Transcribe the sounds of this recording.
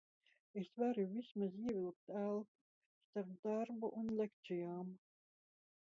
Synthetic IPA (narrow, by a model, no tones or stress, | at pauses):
esvaɾuvismaziɛvʲilˠk̚t̪ælk | st̪aɾd̪̥aɾbuʔunlʲæk̚t͡ʃijaːm